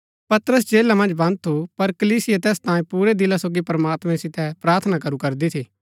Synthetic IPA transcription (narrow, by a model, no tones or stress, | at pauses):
pɐt̪ɾəs̬d͡ʒeːlamɐ̃nd͡ʒbɐ̃nd̪̚t̪ʰupɐɾkɐliːsɪjat̪ɛːst̪ãːĩpuːɾed̪ɪlasoːɡipɾɐmaːt̪mɛ̃sɪt̪ɛpɾaːɾt̪ʰnakɐɾukɐɾd̪it̪ʰiː